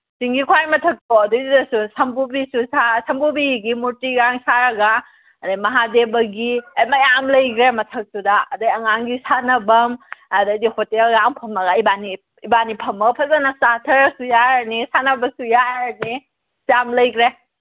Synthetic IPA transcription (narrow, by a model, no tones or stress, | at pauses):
siŋɡikʰwajmɐtʰɐk̚toɐdudidɐsusɐmbubisusasɐmbubiɡimuɾtiɡaŋsaɾɐɡɐ | ɐdajmɐɦadebɐɡiɐjmajamlɐjɡɾemɐtʰɐk̚sudaɐdaɐŋaŋɡisanɐbɐmɐdɐdihotelɡaŋpʰɐmɐɡɐibani | ibanipʰɐmɐɡɐpʰɐzanɐsatʰɐɾɐsujanisanɐbɐsujaɐni | sjamlɐjɡɾe